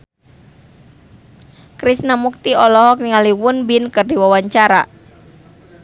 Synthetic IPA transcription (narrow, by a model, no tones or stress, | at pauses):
kɾisnamuk̚t̪iɔlɔɦɔk̚niŋaliwʊnbinkərdiwawaɲt͡ʃaɾa